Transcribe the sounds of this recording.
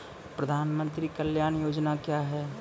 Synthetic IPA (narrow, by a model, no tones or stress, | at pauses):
pɾɐd̪ʱaːnmə̃nt̪ɾikəljaːnjoːd͡ʒnakjaːɦɛ